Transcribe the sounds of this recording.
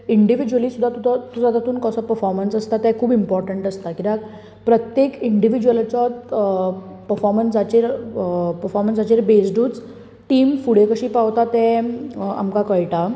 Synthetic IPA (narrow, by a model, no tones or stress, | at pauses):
iɳɖiʋid͡ʑuʋəlisud̪ʱːat̪ut̪ʰɔt̪ud͡zat̪at̪uːnkɔsɔpəɾfɔɾmənsəst̪at̪ɛkʰuːbimpɔɾʈəɳʈəst̪akit̪a | pɾət̪jekiɳɖiʋid͡ʑuʋəlt͡sɔt̪ | pəɾfɔɾmənsd͡zat͡ɕeɾpəɾfɔɾmənsat͡ɕeɾbesɖuːt͡s | ʈiːmfuɽ̤ekəɕiːpawt̪at̪ɛ̃ | a̰mkakəɭʈa